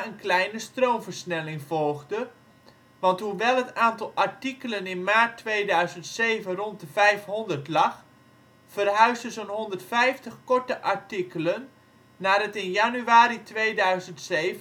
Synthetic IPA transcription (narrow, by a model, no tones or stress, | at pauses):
ənklɛjnəstroːmvərsnɛlɪŋv̥ɔlˠɣdə | ʋɑntɦuʋɛlˠɦətaːntɑlˠʔaɹtikələnɪnmaːrtːʋeːdœɥzəntseːvənrɔnt̚dəvɛjfɦʊndərtlɑx | fərɦœɥzdəzənɦɔndərtfɛjftəxkɔɹtəʔaɹtikələnː | aːdətɪnjanyaːɾitʋeːdœɥzəntseːv